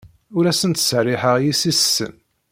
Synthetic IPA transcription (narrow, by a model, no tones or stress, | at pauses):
ʊɾæsənt̪srːɪħəʁjisisːə̰n